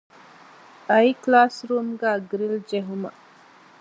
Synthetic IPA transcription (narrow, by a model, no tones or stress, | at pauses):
ɐjklaːsɾuːmɡæːɡɾild͡ʒeɦumə